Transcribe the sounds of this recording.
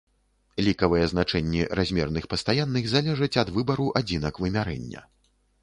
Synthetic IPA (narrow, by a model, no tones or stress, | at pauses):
lʲikɐvɨjɛznat͡ʂɛnʲːirazʲmʲɛrnɨxpɐst̪ajanːɨɣzalʲɛʐɐt͡sʲɐd̪vɨbɐɾuʔad͡zʲinɐkvɨmʲaɾɛ̰nʲːɐ̰